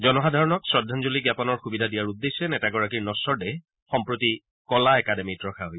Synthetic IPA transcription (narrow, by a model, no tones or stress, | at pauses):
zɔnɔxadʱaɹɔnɔksɹɔdʱːanzoliɡjapɔnɔɹxubidʱadijaɹud̪ːesɛnɛtaɡɔɹak̬iɹnɔsɔɹdɛ | xɔmpɹoti | kɔlaɛkademitɹɔkʰaɦoj